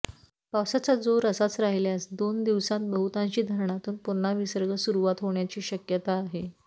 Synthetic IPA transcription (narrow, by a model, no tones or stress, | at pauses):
paʋsat͡sad͡zoɾəsat͡sɾaɦljasd̪ond̪iʋsãnt̪̚bəɦut̪ãɲt͡ɕiːd̪ʱəɾɳat̪uːnpun̤ːaʋisəɾɡəsuɾuʋat̪ɦoɳjat͡ɕiːɕəkjət̪aːɦe